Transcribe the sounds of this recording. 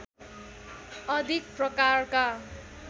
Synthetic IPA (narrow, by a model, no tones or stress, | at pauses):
ʌd̪ʱik̚prʌkarka